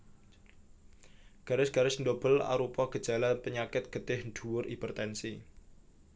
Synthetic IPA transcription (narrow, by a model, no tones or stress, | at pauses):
ɡ̥a̤ɾɪsɡ̥a̤ɾɪsndob̥əla̰ɾupɔɡ̥əd̥d͡ʒ̥a̤lapəɲakɪt̪̚ɡ̥əd̪̥ɪhnɖ̥ṳwʊrʔipərt̪ɛnsi